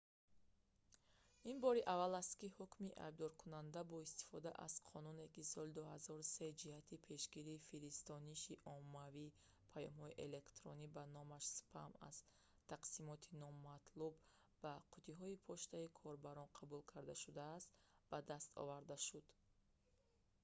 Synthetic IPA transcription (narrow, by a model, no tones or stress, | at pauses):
inbɔɾiʔavalast̪kihukmiʔa̰jb̚d̪ɔɾkʰunand̪abɔist̪i̥fɔd̪aʔa̰z̥qʰɔnune̞kisɔlid̪uhazɔɾuse̞d͡ʒihat̪ʰipʰe̞ʃɡiɾifiɾist̪ɔniʃiʔɔmːavi | pʰajɔmhɔiʔele̞kt̪ɾɔ̰nibanɔmaʃsu̥pʰa̰ma̰z̥ | t̪ʰaqsimɔt̪ʰinɔmat̪ʰlubː | aqʰut̪ʰiɦɔipʰɔʃt̪aikʰɔɾbaɾɔnqʰabulkʰaɾd̪aʃud̪aːst̪b̥ad̪ast̪ɔ̰vaɾd̪aʃud̪̥